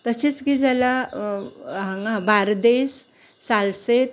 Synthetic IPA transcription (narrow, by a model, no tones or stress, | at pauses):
t̪əsit͡skid͡zala | ɦãŋɡãbaɾd̪es | salset̪̚